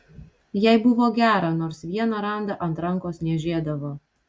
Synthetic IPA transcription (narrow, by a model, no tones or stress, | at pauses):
jɛɪbʊʋoːɡʲæːɾɐnoːɾsʋʲiɛnɐɾɐˑnd̪ɐʔɐnt̪ɾɐŋˑkoːsnʲɛʒʲeːd̪ɐʋoː